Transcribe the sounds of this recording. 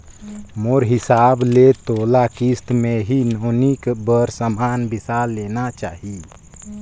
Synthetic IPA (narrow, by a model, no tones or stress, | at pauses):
moɾɦɪsablet̪olakist̪meɦinonikbəɾsəmanbisalːenat͡ʃa̰ːɦi